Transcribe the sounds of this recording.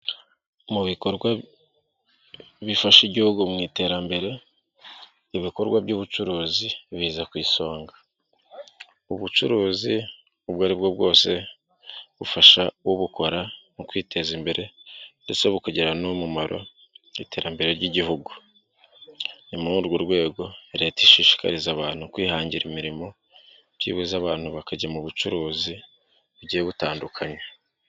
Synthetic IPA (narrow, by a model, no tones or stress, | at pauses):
muβiko̞ɾɡwa | βifaʃiɟihuɡumŋiːte̞ːɾambe̞ɾe̞ | iβiko̞ɾɡwabɟuβut͡ʃuɾuːziβiːzakwiːso̞ːŋɡḁ | uβut͡ʃuɾuːzi | uβɡaːɾibɡo̞b̚ɡo̞ːse̞ | βufaʃawoβuko̞ɾanukwiːtʰe̞zimbe̞ɾe̞ndet͡so̞βukuɟeɾanomumaɾʔo̞̰ | ite̞ːɾambe̞ɾe̞ɾɟiɟihuɡu | nimuɾuɾɡuɾɡwe̞ːɡo̞eɾe̞ːtiʃiːʃi̥ka̰ɾizaβaːn̥hukwiːhaːɲɟiɾimiɾimo̞ | ɟḭːβuzaβaːnhuβakaɟamuβut͡ʃuɾuːzi | uɟieβutaːndukʰaɲa